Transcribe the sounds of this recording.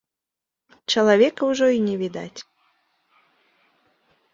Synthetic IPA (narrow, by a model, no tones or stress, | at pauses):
t͡ʂɐlˠavʲɛkɐwʐɔinʲɛvʲid̪a̰t͡sʲ